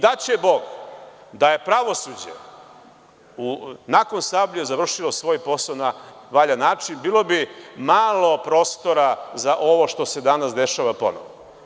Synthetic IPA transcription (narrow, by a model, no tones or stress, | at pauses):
d̪at͡ɕebo̞ɡd̪aje̞pɾaʋo̞sud͡ʑḛ | unako̞nsabʎuzaʋr̩ʃilosʋo̞ːjpo̞saonaʋaʎanːaːt͡ʂinbiːlo̞bimaːlˠo̞pɾo̞ːst̪o̞ɾazaʔo̞ʋo̞ʃt̪o̞se̞d̪anasd̪eʃaʋapo̞̰no̰ʋo